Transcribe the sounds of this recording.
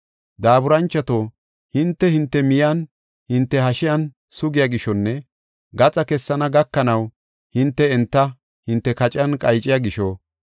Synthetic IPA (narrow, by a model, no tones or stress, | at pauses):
d̪aːbʊɾɐnt͡ʃːɐt̪o | hɪnt̪ːɛhɪnt̪ːɛmɪjɐn | hɪnt̪ːɛhɐʃɪjɐn | sʊɡɪjaːɡɪʃɔnːɛ | ɡɐt͡sʼɐkɛsːɐnɐɡɐkːɐnɐw | hɪnt̪ːɛɛnt̪ːɐ | hɪnt̪ːɛkɐt͡ʃʼɐnkʼɐjt͡ʃʼːɪjaɡɪʃɔ